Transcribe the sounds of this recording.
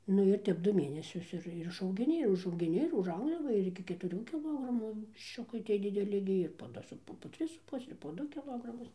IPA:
ˈnʊ ɪr ˈtʲɛp ˈdʊ ˈmʲeːnʲɛsʲʊs ˈɪr ɪr ɪʃɐʊɡʲɪˈnʲɪ ɪr ʊʒɐʊɡʲɪˈnʲɪ ɪr ʊʒˈɐʊɡdɐʋɐ ɪr ˌɪkʲɪ kʲɛtʊˈrʲuː kʲɪˈlˠoːɡrɐmuː ʋʲɪʃʲˈt͡ʃʲʊkɐɪ ˈtʲiɛ dʲɪˈdʲæːlʲɪ ɡʲɪ ɪr poː ˈdʊ sʊ ˈpʊ poː ˈtʲrʲɪs sʊ ˈpʊsʲɛ ɪr poː ˈdʊ kʲɪˈlˠoːɡrɐmʊs

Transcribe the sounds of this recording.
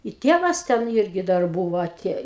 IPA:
ɪ ˈtʲeːʋɐs ˈtʲɛn ˈɪrʲɡʲɪ dɐr ˈbʊʋoː ɐˈtʲeːj

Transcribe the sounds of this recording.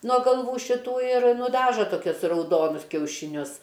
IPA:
nuɔ ɡɐlˠˈʋuː ʃʲɪˈtuː ɪr nʊˈdɑːʒɐ toːˈkʲʊs rɐʊˈdoːnʊs kʲɛʊʃʲɪˈnʲʊs

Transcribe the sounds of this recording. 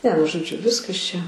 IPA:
nʲɛ nʊ ʒoːˈd͡ʒʲʊ ˈʋʲɪskɐs t͡ʃʲɛ

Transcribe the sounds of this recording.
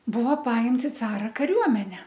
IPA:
ˈbʊʋɐ ˈpɐɪmts ɪ ˈt͡sɑːrɐ kɐˈrʲuɔmʲɛnʲɛ

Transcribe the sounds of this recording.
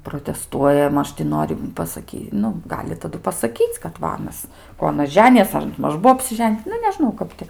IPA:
proːtʲɛˈstuɔjɛ ˈmɐʃ tʲɪ ˈnoːrʲɪ pɐsɐˈkʲiː ˈnʊ ˈɡɑːlʲɪ tɐˈdʊ pɐsɐˈkʲiːt͡sʲ kɐt ˈʋɐ ˈɑːnɐs ˈkoː ɐˈnɐs ˈʒʲæːnʲɪjɛs ɐr ˈmɐʃ ˈbuɔ ɐpʲsʲɪˈʒʲɛnʲ ˈnʊ nʲɛˈʒnɐʊ ˈkɐp tʲɪ

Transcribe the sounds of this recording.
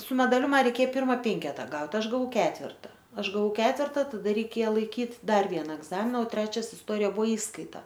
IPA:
sʊ mʲɛdɐˈlʲʊ ˈmɐ rʲɛɪˈkʲeː ˈpʲɪrmɐ ˈpʲɛŋʲkʲɛtɐ ˈɡɐʊtʲ ˈɐʃ ɡɐˈʋɐʊ ˈkʲæːtʲʋʲɛrtɐ ˈɐʃ ɡɐˈʋɐʊ ˈkʲæːtʲʋʲɛrtɐ tɐˈdɐ rʲɛɪˈkʲeːjɛ lˠɐɪˈkʲiːtʲ ˈdɐr ˈʋʲiɛnɐ ɛɡˈzɑːmʲɪnɐ oː ˈtʲrʲæːt͡ʃʲɛs ɪsˈtoːrʲɪjɛ ˈbʊʋoː ˈiːskɐɪtɐ

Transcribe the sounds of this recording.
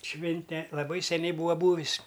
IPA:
ˈʃʲʋʲɪnʲtʲɛ lˠɐˈbɐɪ sʲɛˈnʲɛɪ ˈbuːɐ ˈbuːʋʲɪs

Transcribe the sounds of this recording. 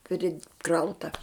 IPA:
pʲrʲɪˈkrɐʊtɐ

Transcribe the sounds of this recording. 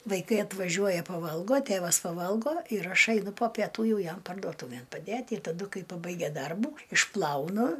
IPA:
ʋɐɪˈkɐɪ ɐtʋɐˈʒʲuɔjɛ pɐˈʋɐlˠɡoː ˈtʲeːʋɐs pɐˈʋɐlˠɡoː ɪr ˈɐʃ ɐɪˈnʊ poː pʲɛˈtuː ˈjɛʊ ˈjɛm pɐrdoːˈtuːʋʲeːn pɐˈdʲeːtʲ ɪ tɐˈdʊ ˈkɐɪ pɐˈbɐɪɡʲɛ ˈdɐrbuː ɪʃˈplˠɐʊnʊ

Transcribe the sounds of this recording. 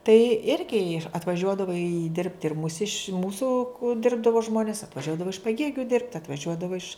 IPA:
tɐɪ ˈɪrʲɡʲɪ ɐtʋɐˈʒʲuɔdɐʋoː ɪ ˈdʲɪrʲpʲtʲɪ ɪr mʊˈsʲɪʃ ˈmuːsʊ ˈdʲɪrbdɐʋoː ˈʒmoːnʲɪs ɐtʋɐˈʒʲuɔdɐʋoː ɪʃ pɐˈɡʲeːɡʲʊ dʲɪrpt ɐtʋɐˈʒʲuɔdɐʋoː ɪʃ

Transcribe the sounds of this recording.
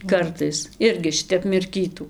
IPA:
ˈkɐrtɐɪs ˈɪrʲɡʲɪ ˈʃʲɪtʲɛp mʲɪrʲˈkʲiːtuː

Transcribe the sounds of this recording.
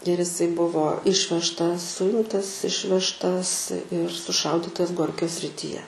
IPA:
ɪr ɪˈsɐɪ ˈbʊʋoː ˈɪʃʲʋʲɛʃtɐs ˈsʊɪmtɐs ˈɪʃʲʋʲɛʃtɐs ɪr sʊˈʃɐʊdʲiːtɐs ˈɡoːrʲkʲoː sʲrʲɪtʲiːˈjɛ

